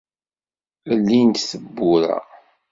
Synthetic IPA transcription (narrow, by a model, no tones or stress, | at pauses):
əlːint̪θəbːʊɾa̰